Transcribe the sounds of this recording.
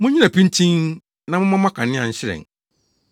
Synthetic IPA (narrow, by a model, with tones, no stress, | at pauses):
mʊ̃˦ɲi˦nã˨pʰĩ˦n˦tʰĩ˦n | nã˨mʊ̃˦mã˦mã˦kʰã˨nɪ̃˦ã̰˨ɲ̩˦ɕɪ˦ɾɛ̰̃˨ŋ˨